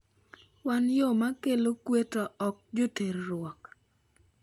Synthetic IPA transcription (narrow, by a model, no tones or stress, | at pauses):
wanjomakelokwetɔɔk̚d͡ʒoteɾːʊwɔk